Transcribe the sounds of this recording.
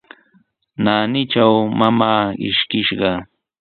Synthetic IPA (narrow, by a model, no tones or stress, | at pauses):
naːnɪt͡ʃawmamaːɪ̰ʃkɪʃɢɑ